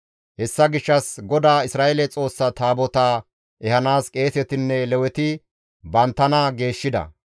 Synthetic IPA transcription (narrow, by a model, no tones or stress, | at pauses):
hɛsːɐɡɪʃːɐsɡɔd̪aːɪsɾaːʔɛlɛt͡sʼo̞ːsːɐt̪aːbɔt̪aː | ʔɛhɐnaːskʼe̞ːsɛt̪ɪnːɛlɛwɛt̪ɪ | bɐnt̪ːɐnɐɡe̞ːʃːɪd̪ɐ̰